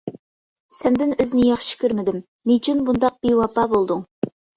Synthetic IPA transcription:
sɛmd̪ɪnøznɪjɑχʃi̥kʲøɾmɪd̪ɪm | nyt͡ʃʰynbund̪ɑq̚b̥ewɑpɑːbolˠd̪uŋ

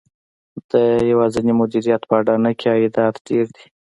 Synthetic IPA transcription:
d̪̥əjawɑzanimʊd̪iɾijat̪pəːɖɑnəkʰeɑid̪ɑt̪ɖeɾd̪i̥

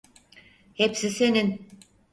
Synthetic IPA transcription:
hepsise̞nin

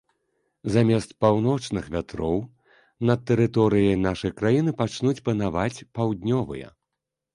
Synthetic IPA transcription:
zamʲɛst̪̚pawnɔt͡ʂnɨxvʲat̪ɾɔw | nɐt̪ːɛɾɨt̪ɔɾɨjɐjnaʂɐjkɾajinɨpat͡ʂnut͡sʲpɐnavat͡sʲpawd̪nʲɔvɨ̰jɐ̰

